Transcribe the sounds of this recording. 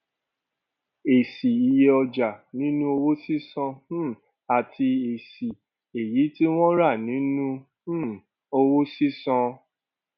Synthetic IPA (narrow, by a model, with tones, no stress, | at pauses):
e˨si˨i˨je˧ɔ˧d͡ʒa˨nĩ˨˦nũ˦o˧wo˦si˦sɔ̃˧˦˨ | a˨tʰi˧e˨si˨ | e˨ji˨˦ti˦w̃ɔ̃˦ɾa˦˨nĩ˨˦nũ˦ | o˧wo˦si˦sɔ̃˧